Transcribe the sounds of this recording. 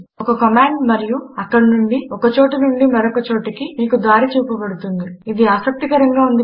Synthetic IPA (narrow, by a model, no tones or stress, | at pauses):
ɔkɐkɐmaːɳɖmɐɾijuɐkːɐɽinuɳɖiɔkɐt͡ʃoːʈɐnuɳɖimɐɾokɐt͡ʃoːʈɐkimiːkud̪ʋaːɾit͡ʃuːpɐbɐɽut̪und̪iid̪iaːsɐk̚t̪ikɐɾɐŋɡaːund̪i